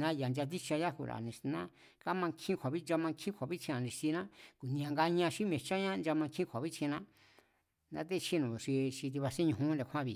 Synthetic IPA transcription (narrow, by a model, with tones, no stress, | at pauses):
nã˦ja˨nd͡ʒa˧t̪̬i˦t͡ʃa˧ja˦kṵ˧ɾa̰˨nĩ˧˨snã˦ | ka˦mã˧kʰĩ˦kʷʰa˨βi˦d͡ʒa˧mã˧kʰĩ˦kʰʷa˨βi˦t͡ʃʰĩ˧ã˨nĩ˧si˧nã˦ku˨nĩ˧ã˧ŋɡa˧ɲã˧ʃi˦mẽ˧˨t͡ʃã˦ɲã˦˧nd͡ʒa˧mã˧ŋkʰĩ˦kʰʷa˨βi˦t͡ʃʰĩ˧nã˦ | nã̰˧˦t̪̬e˦t͡ʃʰi˦nũ˨ʂi˧ʃi˧t̪̬i˧βa˧sĩ˦ɲũ˧ɦũ˦nɾe˧kʰʷã˦βi˨